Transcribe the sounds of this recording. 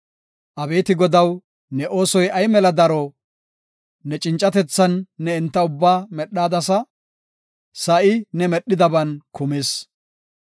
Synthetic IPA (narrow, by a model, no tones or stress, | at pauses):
ʔɐbe̞ːt̪ɪɡɔd̪ɐw | nɛʔo̞ːsɔjɐjmɛlɐd̪ɐɾoː | nɛt͡ʃʼɪnt͡ʃʼɐt̪ɛt͡sːɐnːɛɪnt̪ːɐʊbːaːmɛɗːaːd̪ɐsɐ | sɐʔɪnɛmɛɗːɪd̪ɐbɐnkʊmeːs